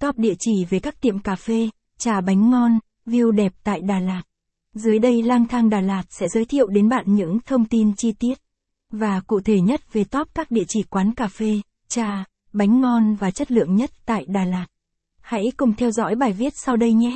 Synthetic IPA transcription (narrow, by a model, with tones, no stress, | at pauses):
t̪ɔ˦˥p̚ɗḭ˧˨t͡ɕi˧˩ve˨˩kaː˦˥k̪̚ḭ˧˨əmkaː˧˩fe˧ | t͡ɕaː˨˩ɓa˨˦jŋ̟ŋɔ˧n | vi˧əwɗɛ˨˩p̚t̪a̰ː˧˨jɗaː˨˩laː˨˩t̚ | zɨ˨˦əjɗə˧jlaː˧ŋt̪ʰaː˧ŋɗaː˨˩laː˨˩t̚sɛ̰˧˥zəː˨˦jt̪ʰḭ˧˨əwɗe˨˦nɓa̰ː˧˨nɲɨ̰˧˥ŋt̪ʰə˧wŋ͡mt̪i˧nt͡ɕi˧t̪i˦˥ət̚ | vaː˨˩kṵ˧˨t̪ʰe˧˩ɲə˦˥t̚ve˨˩t̪ɔ˦˥p̚kaː˦˥k̚ɗḭ˧˨ət͡ɕi˧˩kwaː˨˦nkaː˧˩fe˧ | t͡ɕaː˧˩ | ɓa˨˦jŋ̟ŋɔ˧nvaː˨˩t͡ɕə˦˥t̚lɨ̰˧˨əŋɲə˦˥t̚t̪a̰ː˧˨jɗaː˨˩laː˨˩t̚ | ha̰˧˥jkʊ˨˩ŋ͡mt̪ʰɛ˧wzɔ̰˧˥jɓaː˨˩jvi˦˥ət̚sa˧wɗə˧jɲɛ˨˦